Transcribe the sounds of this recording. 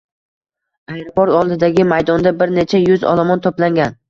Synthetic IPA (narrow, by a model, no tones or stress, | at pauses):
ajɾɪbɒɾɒlˠd̪ɪd̪aɡʲɪmajd̪ɒnd̪abɪɾne̞t͡ʃʰajʊzɒ̰lˠamɒnt̪ʰoplaŋɡʲan